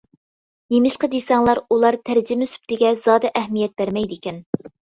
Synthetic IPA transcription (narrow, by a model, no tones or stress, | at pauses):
jemɪʃqəd̪esɛŋlˠɑɾulˠɑɾt̪ʰæɾd͡ʒɪmɪsy̥p̚t̪ʰɪɡʲɛz̥ɑːd̪ɛʔɛhmijɛt̪̚b̥æɾmɛjd̪ekʲɛn